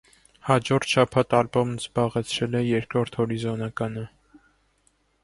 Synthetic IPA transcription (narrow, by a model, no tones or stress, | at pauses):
hɑd͡ʒɔɾt̪ʰʃɑpʰɑt̪ɑlbɔmnzbɑʁɛt͡sʰɾɛlɛjɛɾkɾɔɾt̪ʰhɔɾizɔnɑkɑnə